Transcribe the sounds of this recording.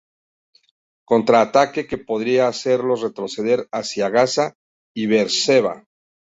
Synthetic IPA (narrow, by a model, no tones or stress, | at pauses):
ko̞nt̪ɾaːt̪ake̞ke̞po̞ðɾiaːse̞ɾlo̞sre̞t̪ɾo̞se̞ðe̞ɾasjaɣasa | iβe̞ɾse̞βa̰